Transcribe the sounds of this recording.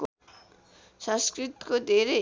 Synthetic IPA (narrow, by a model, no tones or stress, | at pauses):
sʌ̃skrit̪i̥kod̪ʱeɾe